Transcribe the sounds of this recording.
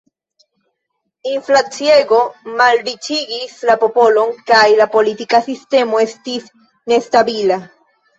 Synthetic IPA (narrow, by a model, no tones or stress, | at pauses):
inflat͡sieɡo̞malɾit͡ʃiɡislapo̞po̞lo̞nkajlapo̞litikasiste̞mo̞e̞stis | ne̞stabila